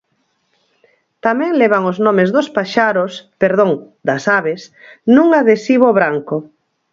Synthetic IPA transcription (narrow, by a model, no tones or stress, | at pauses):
t̪amɛ̃ŋlɛβ̞aŋoznõmezðospaʃaɾospeɾðõŋ | d̪ɐsaβesnũŋaðesiβoβɾaŋko